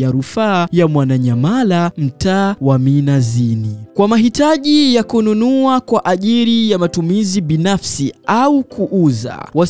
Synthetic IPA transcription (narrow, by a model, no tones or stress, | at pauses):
jaɾufaːjamwanaɲamalam̩taːwaminazinikwamaɦitaʄijakununuakwaʔaʄiɾijamatumiziɓinafsiʔaukʰuʔuza̰wa